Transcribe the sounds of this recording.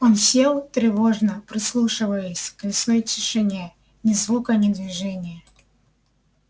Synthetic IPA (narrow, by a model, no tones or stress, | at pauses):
onfsʲelˠt̪ɾʲɪvoʐnəpɾʲɨslˠuʂɨvəjɪsʲklʲɪsojtʲɪʂɨnʲe | nʲɪzvukɐnʲɪd̪vʲɪʐɛnʲɪjə